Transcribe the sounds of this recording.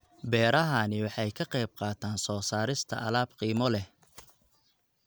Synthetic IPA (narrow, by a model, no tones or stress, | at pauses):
bɛːɾɐɦɐnɪwɑħɑjkʰɐqɑjb̚qɑːt̪ʰaːnsɔːsaːɾɪst̪ʰɐ̰ʔɐlaːbqiːmɔlɛh